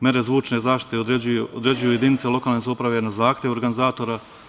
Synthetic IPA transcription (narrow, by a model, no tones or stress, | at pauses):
mʲje̞ɾe̞zʋuːt͡ʃne̞zaːʃt̪i̥t̪eod̪eod̪ɾe̞d͡ʑujuje̞d̪init̪selˠo̞kalnesaupɾaʋe̞nazaːxt̪ʲjeʋoɾɡanizaːt̪o̞ɾa